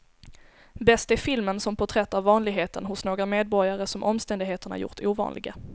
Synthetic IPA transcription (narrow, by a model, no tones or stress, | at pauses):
bɛst̪æɾfɪlmənsɔmpʰɔt̪ʰɾɛt̪ːaɾvɑːnlɪɡɦeːt̪ənɦʊsnoːɡɾameːd̪̚bɔɾjaɾəsɔmʔɔmst̪ɛnd̪ɪɡɦeːt̪əɳa̰ɾjʊ̰ʈuːvɑ̰ːnlʔɪ̰ɡa